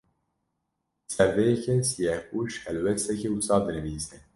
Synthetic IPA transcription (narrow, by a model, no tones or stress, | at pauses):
sɛɾvɛjɛkʰɛsijɛhuʃhɛlwɛst̪ɛkɛusɑːd̪ɨnɨviːzɛ